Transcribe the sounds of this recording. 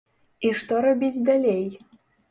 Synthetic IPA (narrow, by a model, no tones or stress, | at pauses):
iʃt̪ŏɾɤ̆bʲit͡sʲd̪alʲej